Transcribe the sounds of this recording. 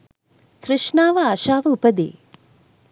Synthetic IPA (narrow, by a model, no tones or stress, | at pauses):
t̪ɾɪʃnaːʋɐaːʃaːʋɐupɐd̪ḛː